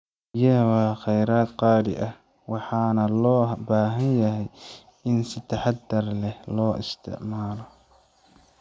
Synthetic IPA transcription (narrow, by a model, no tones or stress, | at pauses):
jɐwaːqɛjɾaːd̪qɑːdɪ̰ʔɐh | wɑħɑːnɐlɔːbaːɦɐnjɐɦɛj | ɪnsɪt̪ʰɐħɑd̪ɐrlɛhlɔːʔɪ̰st̪ʰɪ̰ʕmaːlɔ